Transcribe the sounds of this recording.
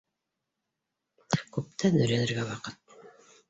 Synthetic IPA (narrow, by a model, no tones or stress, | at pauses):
kʉp̚t̪ʰænɵ̆jɾænɘ̆ɾɡæwɑqɤt̪̚